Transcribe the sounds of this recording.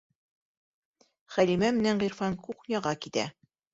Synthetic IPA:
χælimæmɘ̆næɴʁiɾfɑnkuχnʲɑʁɑkit̪æ̰

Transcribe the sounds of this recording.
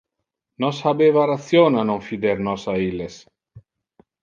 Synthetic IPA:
nɔshabevaɾaθjonanoɱfid̪eɾnɔsailes

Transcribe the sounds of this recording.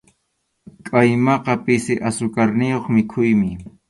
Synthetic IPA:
kʼajmɑqɑpɪsɪʔasʊkaɾnɪjoχmɪkʰʊjmɪ

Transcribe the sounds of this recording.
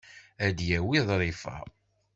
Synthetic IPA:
æd̪jæwiðˤɾˤifæ̰

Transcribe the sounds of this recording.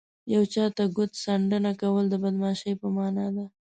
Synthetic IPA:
jawt͡ʃɑt̪aɡʊt̪saɳɖənakawəld̪əbad̪mɑʃəjpəmɑnɑd̪a

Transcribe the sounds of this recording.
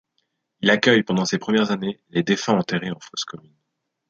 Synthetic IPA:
ilakʲœjpɑ̃d̪ɑ̃sepχəmjɛʁzaneled̪efɛ̃ɑ̃t̪eʁeɑ̃foskɔmyn

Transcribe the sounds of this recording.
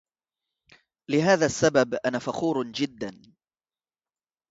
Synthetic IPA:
lɪɦaːðaːsːababʔanafɑxuːɾd͡ʒɪd̪ːan

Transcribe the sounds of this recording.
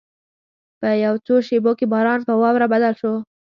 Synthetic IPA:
pəjawt͡soʃebokebɑɾɑnpəwɑwɾabad̪alʃo

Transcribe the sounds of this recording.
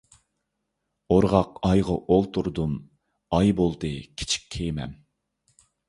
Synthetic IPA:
oɾʁɑqɑjʁɑʔolˠt̪ʰuɾd̪um | ɑjbolˠd̪ɨkʲʰi̥t͡ʃʰi̥kʲːʰejmɛm

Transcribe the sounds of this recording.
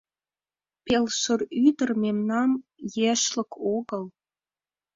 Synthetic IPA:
pelʃəryd̪ə̆rmemnɑmjeʃlə̆kʰoɣə̆l

